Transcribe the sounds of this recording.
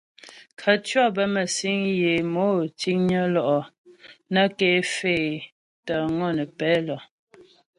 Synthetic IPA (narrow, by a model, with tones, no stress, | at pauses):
kʰə˨tɥɔ˦bə˦mə˨si˦ŋje˨mo˨˦ti˦ŋɲə˦lɔ˨ʔɔ˨ | na˦ke˦fe˦˨ | tə˨ŋɔ˦˨nə˨pɛ˦lɔ˨